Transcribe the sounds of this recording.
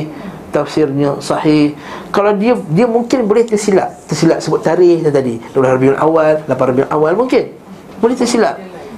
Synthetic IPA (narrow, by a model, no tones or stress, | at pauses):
t̪afsirɲəsɑhɪh | kalawdiədiəmũŋkɪnbolɪht̪əsila̰ʔt̪əsilaʔsəbʊt̪ːaɾɪht̪at̪adilolahrabiʊnʔa̰walːapanrabiunʔawalmũŋkɪn | bolɪht̪əsilaʔ